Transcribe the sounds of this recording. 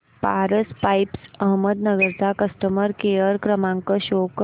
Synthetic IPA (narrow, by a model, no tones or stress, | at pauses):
paɾəspajpsəɦməd̪nəɡəɾt͡sakəsʈəməɾkeəɾkɾəmãŋkəɕok